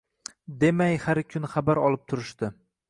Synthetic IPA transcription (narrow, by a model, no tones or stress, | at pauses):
d̪e̞majhaɾkʲʰʊnχabaɾɒlˠɪp̚t̪ʰʊɾɪʃt̪ɪ